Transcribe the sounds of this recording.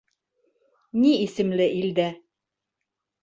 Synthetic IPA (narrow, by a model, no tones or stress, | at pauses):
niisɘ̆mlɘʔild̪æ